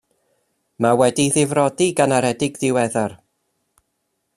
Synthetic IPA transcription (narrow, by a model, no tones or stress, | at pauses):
mawɛdiðɪvrɔdiɡanaɾɛdɪɡðɪwɛðar